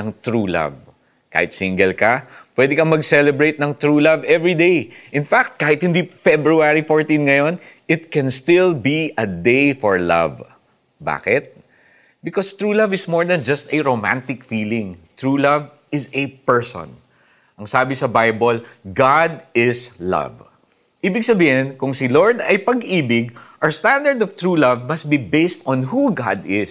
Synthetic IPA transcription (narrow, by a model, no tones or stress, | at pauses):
nɐŋt̪ɹuːla̰v | ka̰ːhɪt̪siŋɡɛlkɐpwɛd̪ɪkɐmɐɡsɛlɛbɹejt̪̚nɐŋt̪ɹuːlavɛvɹid̪ejʔɪnfak̚t̪̚kaːhɪt̪̚hɪnd̪ifɛbɹuaɹifoɹt̪ĩnŋɐjo̞nʔɪt̪̚kɛ̃nst̪ɪlbiɐd̪ejfɔɹlɐ̰v | ba̰ːkɪt̪̚ | bɪkost̪ɹuːlɐvɪsmɔɹd̪ɐ̃nd͡ʒɐst̪ɐɹomã̰nt̪ɪkfiːlɪ̃ŋt̪ɹuːlɐv | ɪsɛpɛɹsɔ̰̃n | ʔɐŋsaːbɪsɐbajbolɡad̪̚ɪslɐ̰v | ʔiːbɪɡ̚sɐbiːhɪnkʊŋsɪloɹd̪ɐjpɐɡʔiːbɪɡ̚ʔɐst̪ãnd̪ɐɹd̪ɔv̥t̪ɹulɐvmɐst̪̚bibejst̪ɔ̃nɦuɡad̪ɪs